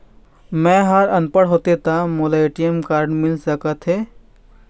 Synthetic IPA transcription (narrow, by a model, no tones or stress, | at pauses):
mɛ̃ɦəɾɐnpəɽɦoːt̪et̪amolaeːʈijəmkaːɾɖmɪlsəkət̪ɦeː